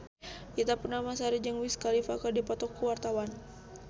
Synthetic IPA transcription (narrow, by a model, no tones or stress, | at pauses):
ʔit̪apunamasaɾid͡ʒəŋwiskalifakardipɔt̪ɔkːuwart̪awan